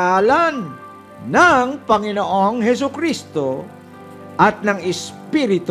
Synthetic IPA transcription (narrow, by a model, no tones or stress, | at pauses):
aːlanː | aŋpɐŋɪnoʔoŋhɛs̬ʊkɾist̪o | ʔɐt̪̚nɐŋɪspiɾɪt̪